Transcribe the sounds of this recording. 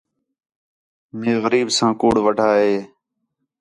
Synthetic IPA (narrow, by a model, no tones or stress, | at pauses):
meːɣəɾiːbsãːkuːɽʋəɖʱaːɦeː